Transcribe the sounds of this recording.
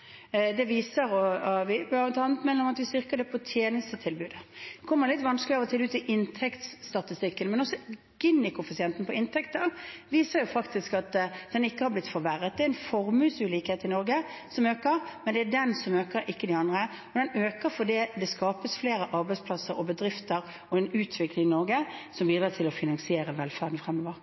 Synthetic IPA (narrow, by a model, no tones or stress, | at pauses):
d̪ɛʋiːsəɾɔʋɪbɑt̪ʰɑːnət̪mɛnəɾɔmɑt̪ʋɪst̪ʏɾkəd̪ɛpʰɔt̪ʰjeːnəst̪ət̪ʰɪlbʉːd̪kʰɔmːəɾlɪt̪ːʋɑnskəlɪɑːʋɔt̪ʰɪlbʉːt̪ʰɪʔɪnt̪ʰɛkt̪sst̪ɑt̪ɪst̪ɪkːənmɛnɔsːɔ | ɡ̥ɪnːɪkʊfɪsɪɛnt̪n̩pʰɔɪnt̪ʰɛkt̪əʋiːsəɾjʊfɑkt̪ɪskɑt̪d̪ɛnɪkːəhɑɾblɪt̪fɔɾʋæɾət̪̚d̪ɛɾɛnfɔɾmʉːsʉːliːkheːt̪əɪnɔɾɡəsɔmøːkəɾmɛnd̪ɛædɛnsɔmøːkəɾʔɪkːəd̪ɪɑnd̪ʁə | ɔd̪ɛnøːkəɾfɔd̪iːd̪ɛskɑːpəsfleːɾəʔɑɾbɛɪtspʰlɑsəɾɔbəd̪ɾɪft̪əɾ | ɔɛnʉːt̪ʰʋɪklɪŋɪnɔɾɡəsɔmbiːd̪ɾɑːt̪ʰɪlɔfɪnɑŋsɪeːɾəɛnʋɛlfæːʁd̪n̩fʁɛmːoːʋəɾ